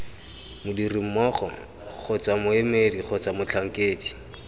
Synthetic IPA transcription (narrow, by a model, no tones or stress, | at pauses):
mʊdirim̩mɔχɔ̰ | k͡xʰʊt͡samʊemediχʊt͡samʊt͡ɬʰaŋ̩keːdi